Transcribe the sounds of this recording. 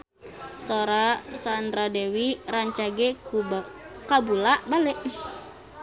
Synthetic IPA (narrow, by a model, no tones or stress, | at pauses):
soɾasandɾadewiraɲt͡ʃaɡɛkukabulaʔbalɛʔ